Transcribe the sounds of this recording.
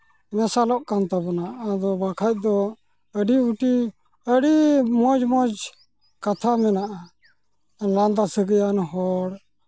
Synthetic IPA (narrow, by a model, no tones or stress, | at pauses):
mɛsalɔʔkant̪abɔnaʔad̪ɔbakʰac̚ˀd̪ɔ | əɖiuʈi | əɽimɔd͡ʒmɔd͡ʒ | kat̪ʰamɛnaʔa | land̪asəɡəjanɦɔɽ